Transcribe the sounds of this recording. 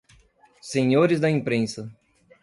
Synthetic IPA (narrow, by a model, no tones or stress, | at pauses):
sẽɲoɾɪzd̪ɐĩpɾẽsɐ